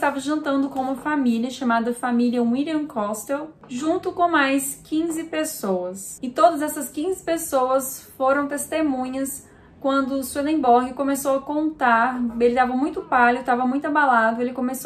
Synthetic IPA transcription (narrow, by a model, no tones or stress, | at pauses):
st̪avɐʒɐ̃nt̪ɐ̃nd̪ʊkõũmɐfamiliɐʃamad̪ɐfamiliɐ̃iliɐ̃mkʰɔst̪ɛw | ʒũnt̪ʊkõmajskĩzɪpesowɐsɪt̪od̪ɐzɛsɐskĩzɪpesowɐsfoɾɐ̃w̃t̪est̪emũɲɐs | kwɐ̃nd̪ʊswilẽbɔɾɡɪkõmesowɐkõnt̪aɾelɪd̪avɐmũj̃t̪ʊpalʊt̪avɐmũj̃t̪ʊabalad̪ʊelɪkõmeso